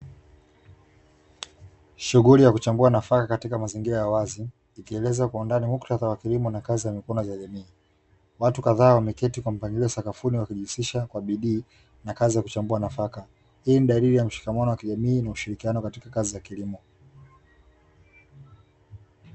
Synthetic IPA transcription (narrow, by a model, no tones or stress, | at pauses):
ʃuɣulijakut͡ʃambuanafakakatikamaziŋɡiɾajawaziː | kiɛlɛzakwaundanimuktaðawakilimɔnakaziamikwɔnɔzaʄamiː | watukaðaːwamɛkɛtikwam̩paŋɡiɔsakafuniwakiʄisiʃakwaɓiɗiː | nakazijaku̥t͡ʃambuanafaka | iliniɗaɾiɾijam̩ʃi̥kamanɔwakiʄamiːnauʃiɾikianɔkatikakazijakilimɔ